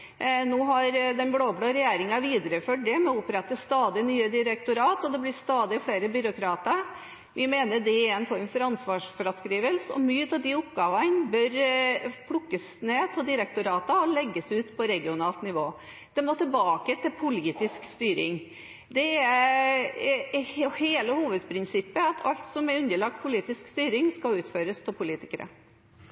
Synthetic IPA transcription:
nuːɦɑɾd̪ɛnbloːbloːɾɛjeːɾɪŋɑʋiːd̪əɾəføʈ̚ɖ̪ɛmɔʊpɾɛt̪ːəst̪ɑːd̪ɪnyːəd̪ɪɾɛkt̪ʊɾɑːt̪ɔd̪ɛblɪst̪ɑːd̪ɪfleːɾəbʏɾʊkʰɾɑːt̪ə | ʋɪmeːnəɖɛɛnfɔɾənfɔɾɑnsʋɑːʂfɔɾɑskɾiːʋəlsɔ̰myːət̪ɑʋd̪ɪʊpɡɑːʋɑnbœɾpʰɽʊkːəsneːt̪ʰɪd̪ɪɾɛk̚t̪ʊɾɑːt̪əɔlɛɡːəsʉːt̪pʰɔɾɛɡɪʊnɑːlt̪nɪʋoː | d̪̥ɛmoːt̪ʰɪlbɑːkət̪ʰɪlpʰʊliːt̪ɪskst̪yːɾɪ̰ŋ | d̪ɛɛ | heːləhuːʋəd̪pʰɾɪnsɪpːəɑt̪ʰɑlt̪sɔmɛɾʉnd̪əɭɑk̚t̪̚pʰʊliːt̪ɪskst̪yːɾɪŋskɑʉːt̪føːɾəst̪ʰɪlpʰʊliːt̪ɪ̥kəɾə̰

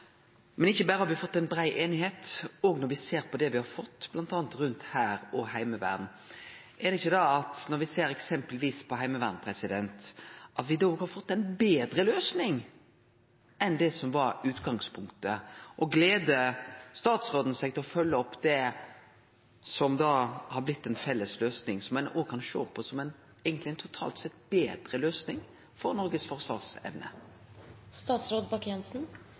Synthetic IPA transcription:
mɛnɪçːəbæːɾəhɑʋɪɑfɔt̪ːɛɪnbɾæɪʔeːnɪheːt̪ɔɡnɔɾʋɪseːɾpʰɔd̪ɛʋɪhɑɾfɔt̪ːb̥lɑnt̪ɑːnt̪ɾʉnt̪hæːɾɔhæɪməʋæ̰ːɾn | ʔɛɾd̪ɛɪçːəd̪ɑɑt̪nɔɾʋɪseːɾɛksɛmpəlʋiːspʰɔɦæɪməʋæ̰ːʁnpʰɾɛsɪd̪ɛnt̪ʔɑt̪ʋɪd̪oːɡhɑɾfɔt̪ːɛɪnbeːd̪ɾəløːsnɪŋ | ɛnd̪ɛsɔmʋɑɾʉːt̪ɡɑŋspʰʊŋkt̪əʔɔɡleːd̪əst̪ɑːt̪sɾoːd̪n̩sɛɪɡt̪ʰɪlɔfœlːəɔpːd̪ɛ | sɔmd̪ɑːhɑɾblɪt̪ːɛnfɛlːəsløːsnɪŋsɔmːɛnoːɡkʰɑnʃo̰ːpʰɔsɔmɛn | eɡənt̪lɪɛnt̪ʰʊt̪ʰɑ̰ːlt̪sɛt̪ːbeːd̪ɾəløːsnɪŋ | fɔɾnɔɾɡəsfɔɾsʋɑ̰ːʁsɛ̰ʋnə̰ | st̪ɑːt̪sɾoːd̪bɑkjɛnsn̩

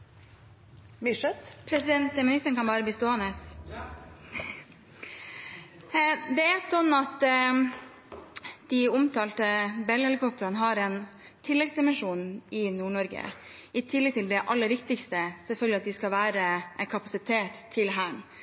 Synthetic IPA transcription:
mɪʂət̪pʰɾɛsɪd̪ɛnt̪mɪnɪst̪əɳkɑnbɑːɾəbist̪oːhɑnəs | d̪ɛæsɔnːɑt̪ | d̪̥iʊmt̪ʰɑːlt̪əbɛlːəhɛlɪkʰɔp̚t̪əɾɑnəɦɑɾɛn | t̪ʰɪlːɛɡsɛmɪʂuːnn̩ɪnuːɳɔɾɡə̰ | ɪt̪ʰɪlːɛɡ̚t̪ʰɪld̪ɛʔɑlːəɾʋɪkt̪ɪkst̪əsɛlfœlɡ̪lɪɑt̪d̪ɪskɑlʋæːɾəʔɛɪnkʰɑpɑsɪt̪ʰeːt̪ʰːɪlɦæːɳ

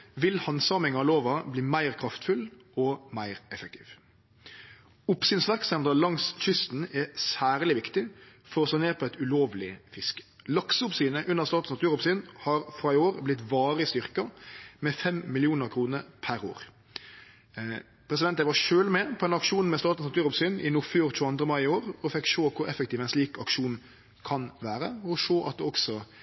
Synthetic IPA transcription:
ʋɪlhɑnsɑːmɪŋɑloːʋɑbliːmæɪʁkʰɾɑft̪fʉl | ɔmæɪʁɛfək̚t̪ʰi̥ːʋ | ʊpsyːnsʋæʁksɛnd̪əlɑŋsc͡çʏst̪n̩ɛsæːʁlɪʋɪkt̪ɪfɔʁɔsɑːneːpʰɔɪt̪ʉloːʋlɪfɪskə̥ | lɑksəʊpsiːnəʔʉnːəʁst̪ɑːt̪snɑt̪ʰʉːɾʊpsyːnhɑɾfɾɑːɪoːɾblɪt̪ʋɑːɾəst̪ʏʁkɑmɛfɛmmɪlɪuːnəɾkʰɾuːnəɾpʰæɾo̰ːʁ | pʰɾɛs̬ɪd̪ɛnt̪əʋɑʃøːlmɛpʰɔd̪ɛnɑkʂuːnn̩mɛst̪ɑːt̪n̩snɑt̪ʉːʁʊpsyːnɪnuːføːʁt̪ʰʉːɑnd̪ʁəmɑɪɪoːɾɔfɪkʂoːkʰʊɾɛfək̚t̪iːʋɛɪnsliːkɑkʂuːn | kʰɑnʋæːɾəɔɔʂoːʔɑ̰t̪̚d̪ɛɔksɔ

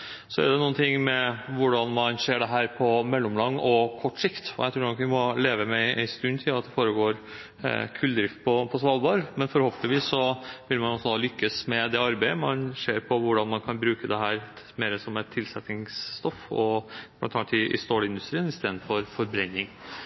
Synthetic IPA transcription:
sɔɛ̰ɖɛnuːənt̪ʰɪŋːmɛʋʊɖɑnmɑnseːɖɛɦæːɾpʰɔmɛlːɔmlɑŋːɔkʰɔʈːsɪkt̪ɔ̰ɛɪt̪ʰɾuːnɔkʋɪmɔleːʋəmɛʔæ̰ɪnst̪ʉnt̪ʰɪlɑt̪̚d̪ɛfoːɾəɡoːɾ | kʰʉld̪ɾɪft̪̚pʰɔpʰɔsʋɑːlˠbɑɾmɛnfɔɾhoːpənɪʋiːsːɔʋɪlmɑnɔsːɔd̪ɑːlʏkːəsmɛd̪ɛɑɾbæɪəmɑnseːɾpʰɔʋʊɖɑnmɑnkʰɑnbɾʉːkəd̪ɛɦæːɾ | meːɾəsɔmɛt̪ʰːɪlsɛt̪nɪŋst̪ɔfɔb̥ʰlɑ̰nt̪ʰɑnt̪ɪʔɪ̰st̪oːlɪnd̪ʉst̪ɾiːənɪst̪eːd̪nfɔɾfɔɾbɾɛnːɪŋ

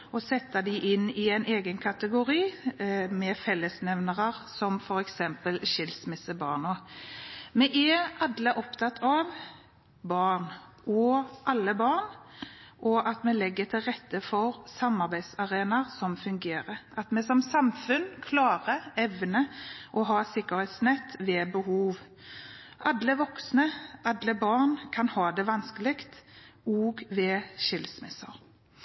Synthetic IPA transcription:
ɔsɛt̪ːɑd̪ɪʔɪnːɪæɪneːɡənkʰɑt̪əɡʊɾiːmɛfɛlːəsnɛʋnəʁəʁsɔmfɔɾɛksɛmpəlʃɪlsmɪsəbɑ̰ːʁnoː | mɛʔɛʔɑd̪lɪʔɔpt̪ʰɑt̪ːʰɑʋ | bɑnʔɔʔɑlːəbɑnʔɔʔɑt̪mɛlɛɡːət̪ʰɪlʁɛt̪ːəfɔʁsɑmɑʁbæɪd̪sɑʁeːnɑʁsɔmfʉŋɡeːʁəɑt̪mɛsɔmsɑmfʉnkʰlɑːʁəɛʋnəʔɔɦɑːsɪkːəɾheːt̪snɛt̪ːʋeːbəhuːʋ | ʔɑd̪ləʋɔksnəɑd̪ləbɑʁnkʰɑnhɑːd̪ɛʋɑnskəlɪkt̪oːɡʋɛʃɪlsmɛsɑʁ

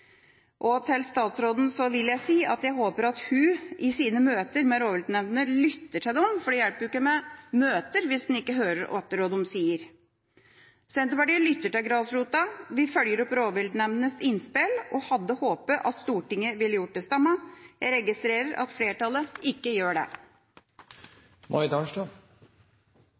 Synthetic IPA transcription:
ʔɔt̪ʰɪlst̪ɑːt̪sɾoːd̪n̩sɔʋɪljæɪsiːʔɑt̪jæɪɦoːpəɾɑt̪hʉʔɪsiːnəmøːt̪əɾmɛɾoːʋɪld̪ɳɛmnənəlʏt̪ːəʈʰɪd̪ɛɔmfɔɖɛjælpəjʊɪkːəmɛmøːt̪əɾʋɪsd̪n̩ɪkːəɦøːɾəɾɔ̰ɛt̪ːəɾoːd̪ɔmsiːəɾ | sɛnt̪əpɑɖilʏt̪ːəʈɪlɡɾɑːsɾuːt̪ɑʋɪfœljəɾɔpɾoːʋɪld̪ɳɛmnənəsɪnspɪlɔhɑd̪ːəhoːpəʔɑt̪st̪uːʈɪŋːəʋɪlːəjʊʈ̚d̪ɛst̪ɑmːɑjæɪɾɛɡɪst̪ɾeːɾəɾʔɑ̰t̪fleːʈɑləɪkːəjøːɖɛ̰ | mʔɔ̰ɾɪd̪ɑnʂʈ̪ɑ

